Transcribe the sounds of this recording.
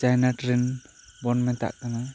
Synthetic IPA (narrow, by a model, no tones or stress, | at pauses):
d͡ʒajnaʈɾɛn | bɔnmɛnt̪a̰ʔkana